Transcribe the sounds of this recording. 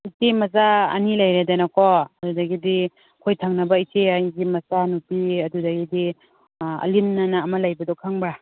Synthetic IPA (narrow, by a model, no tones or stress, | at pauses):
it͡ʃemɐzaɐ̰nilajɾedanakɔɐdudaɡidi | kʰojtʰaŋnɐbait͡ʃeajɡimɐsanupiɐdudaɡidi | ɐ̰linːanaːmɐlajbɐdɔkʰaŋbɾa